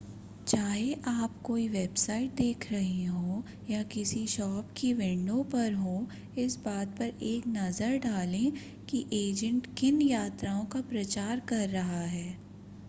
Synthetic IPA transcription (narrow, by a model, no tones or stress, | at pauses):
t͡ʃaːɦeʔaːpkoːiʋeːbsaːɪʈ̚d̪eːkʰɾɐɦeɦõː | jakɪsiʃɔːpkiʋɪ̃ɳɖõpɐɾɦõː | ɪsbaːt̪̚pɐɾeːknɐzəɾɖaːlẽ | kiʔeːd͡ʒə̃ɳʈkɪnjaːt̪ɾaːõkapɾɐt͡ʃaːɾkɐɾːɐɦaɦɛː